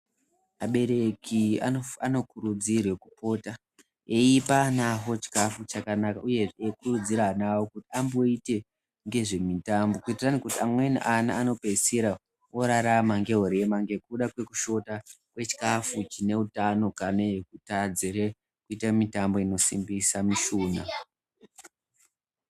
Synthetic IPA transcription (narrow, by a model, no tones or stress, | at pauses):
aɓe̞ɾe̞kiaano̞kuɾud͡zirwe̞kupo̞ːta | eipanaɦo̞t͡ʃi̥kafut͡ʃakanakauje̞ekurud͡ziɾanawo̞kutiambo̞ite̞ | ŋɡe̞ʐe̞mitambo̞kuitiranekutiamwe̞nḭʔana̰ːno̞pe̞seɾa | oɾaɾamaŋɡe̞ɦoɾemaŋɡe̞kuɗakwe̞kuʃo̞ta | kwe̞t͡ʃi̥kafut͡ʃine̞utano̞kane̞kutad͡ziɾe | kuitamitambo̞ino̞simbisamiʃuːna